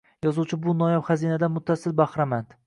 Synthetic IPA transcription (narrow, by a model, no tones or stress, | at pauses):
jɒzuwt͡ʃʰɪbʊnɒjapχazinad̪amʊt̪ʰːasɪlbaχɾamand̪